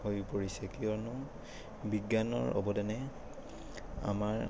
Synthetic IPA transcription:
hojpoɹisɛkiɔnʊ | biɡjanɔ̰ɹɔ̰bɔdɛnɛ | a̰maɹ

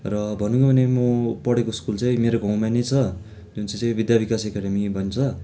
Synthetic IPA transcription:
rʌbʱʌnuɡʌbʱʌnemʌpʌɽekoskult͡saĩmeɾoɡʱʌw̃manet͡sʰʌ | d͡zunt͡saj̃t͡sãij̃bid̪jabikasekaɽʌmibʱʌnt͡sʰʌ

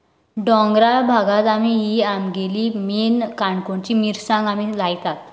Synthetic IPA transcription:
ɖɔ̃ŋɡɾabʱaɡat̪amiɦiamɡeliːmenkaɳkoɳt͡ɕiːmiɾsãŋɡamiːlajt̪at̪̚

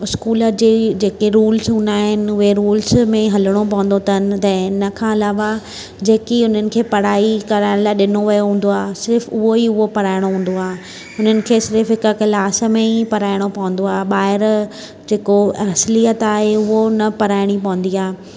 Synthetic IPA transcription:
ɪskuːləɾd͡ʑeːd͡ʑeːkeɾuːlsɦũːnaːɦɪnɪ̆ʊɦeɾuːlsmẽɦɐləɽ̃op̬ɐʋə̃nd̪ot̪ʰɐnɪ̆t̪ɐ̃ːɪnəkʰãːɐlaːʋa | d͡ʑeːkiʊn̤ənɪ̆kʰeːpɐɽ̤aːikɐɾaːɪɽ̃laːɪɗɪnoʋɐjoɦũːn̆d̪oaːsɪɾfʊɦoiʊɦopɐɾaːɪɽ̃oɦũːn̆d̪oaːɦ | ʊn̤ənɪ̆kʰeːsɪɾfɦɪkkɪlaːs̆mẽipɐɾaːɪɽ̃opɐʋə̃n̆d̪oaːɦɓaːɦɪɾ | d͡ʑeːkoɐslijət̪aːɦeʊɦonɐpɐɾaːɪɽ̃ipɐʋə̃n̆d̪iaː

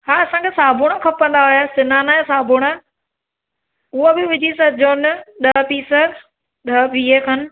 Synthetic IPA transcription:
haːɐsãːkʰeːsaːbʱʊɽ̃əkʰɐpə̃nd̪aɦojasɪnaːnaesaːbʱʊɽ̃ə | ʊɦobɪʋɪd͡ʑisɐd͡ʑoːnɗɐɦpiːsə | ɗɐʋiːekʰɐn

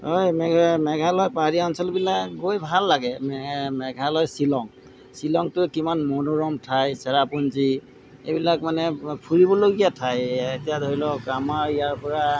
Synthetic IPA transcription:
ɦojmɛmɛɡʱalɔjpaɹiɔnsɔlbilakɡojbʱalːaɡɛmmɛɡʱalɔjsilɔŋ | silɔŋtʊkimanmɔnoɹɔmtʰajsɛɹapunzi | ḛjbilakmanɛpʰuɹibɔloɡijatʰajetijadʱoɹilɔkamaɹijaɹpɔɹa

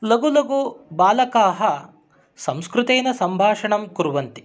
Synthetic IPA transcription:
lɐɡulɐɡubaːlɐkaːɦɐ | sɐmskɾut̪eːnɐsɐmbʱaːʂɐɳɐmkuɾʋɐnt̪i̥

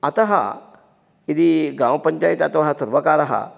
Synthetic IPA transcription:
at̪əɦa̰ | id̪iɡãwpəɲt͡ɕajit̪at̪əɦasəɾʋəkaɾaɦa̰

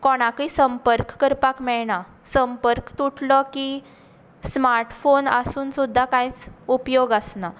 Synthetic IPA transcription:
kɔɽ̃akisəmpəɾkːəɾpakmɛɭɳa | səmpəɾkt̪uʈʰlɔki | smaɾʈfonə̰suːnsud̪ʱːakãjt͡supjoɡəsna

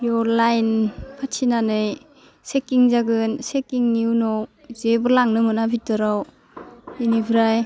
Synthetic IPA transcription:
jɔlajnpʰatʰinanɯj | sekiŋzaɡɯnsekiŋniwnɔw | zebɯɾlaŋnɯmɯnabʱitɯɾaw | inibɯɾaj

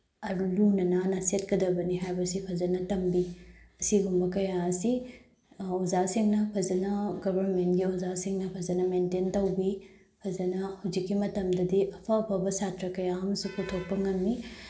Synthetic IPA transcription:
ɐlunɐnanɐset̚kɐdɐbɐniɦajbɐsipʰɐzɐnɐtɐmbiɐsiɡumbɐkɐjaɐsi | ozasiŋnɐpʰɐzɐnɐɡɐbʱɐɾmentɡiozasiŋnɐpʰɐzɐnɐmententɐwbi | pʰɐzɐnɐhɐwzikːimɐtɐmdɐdiʔɐpʰɐːpʰɐbɐsatɾɐkɐjaɐmsupʰutʰok̚pɐŋɐmːi

